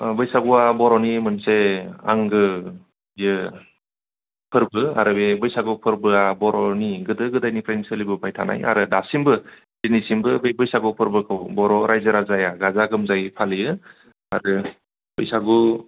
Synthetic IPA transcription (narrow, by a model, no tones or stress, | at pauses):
bɯjsaɡuabɔɾɔnimɯnsea̰ŋɡɯ | jɯ | pʰɯɾbɯa̰ɾɯbebɯjsaɡupʰɯɾbɯabɔɾɔniɡɯdɯɡɯdajnipʰɾajnsɯlibɯpʰajtʰa̰na̰ja̰ɾɯdasimbɯ | dinisimbɯbebɯjsaɡupʰɯɾbɯkʰɯwbɔɾɔɾajzɯɾazajaɡazaɡɯmzajpʰalijɯ | a̰ɾɯ | b̥ɯ̰jsaɡu